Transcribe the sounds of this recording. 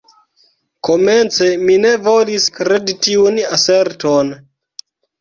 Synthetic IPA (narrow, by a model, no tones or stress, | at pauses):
ko̞me̞nt͡se̞mine̞vo̞liskɾe̞ditiunase̞ɾton